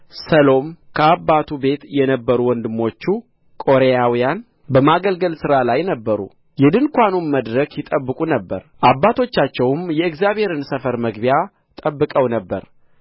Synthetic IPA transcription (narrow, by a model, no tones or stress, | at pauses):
səlo̞mkʰəabːat̪ʰube̞t̪jɛnəbːəɾuwɔnd̪ɨmo̞t͡ʃːu | kʼo̞ɾejawijan | bəmaɡəlɡəlsɨɾalajnəbːəɾṵ | jɛd̪ɨnkʷanunməd̪ɾəkʰjɪt̪ʼəbːɨkʼunəbːə̰ɾʔabːat̪ʰo̞t͡ʃːat͡ʃːɛwmjɛɨkzjaβhe̞ɾɨnsəfəɾməɡbija | t̪ʼəbːɨkʼəwnəbːə̰ɾ